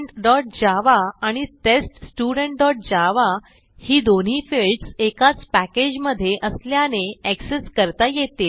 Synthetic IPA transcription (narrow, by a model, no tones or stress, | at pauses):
ʈɖɔʈ̚d͡ʑaʋaːɽ̃it̪esʈsʈuɽəɳʈ̚ɖɔʈ̚d͡ʑaʋa | hiːd̪on̤iːfeɭʈsekat͡spæked͡ʑməd̪ʱːjeʔəsljaneekseskəɾt̪ajet̪el